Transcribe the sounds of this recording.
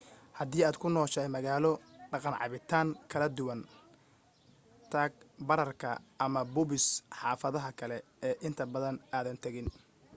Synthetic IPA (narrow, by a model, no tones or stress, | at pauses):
hɐðiːaːd̪kʰʊnɔːʃɛjmɐɣaːlɔɖɑqɑnʕɑ̰βɪt̪ʰaːŋkʰɐlɐd̪ʊwɐn | t̪ʰaːɡ̚bɐɾɐrkʰɐ̰ʔɐmɐbʊβɪsħɑːfɐðɐɦɐkʰɐlɛ | ɛːʔɪnt̪ʰɐbɐðɐnaːðɐnt̪ʰɐɣɪn